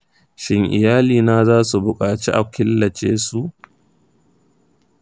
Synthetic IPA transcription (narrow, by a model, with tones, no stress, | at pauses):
ʃɪ˦ŋʔɪ˨jaː˦liː˨naː˦zaː˦su˨bʊ˨kʼaː˨t͡ʃi˦ʔa˨kɪ˦lːɐ˨t͡ʃeː˦su˦ʔ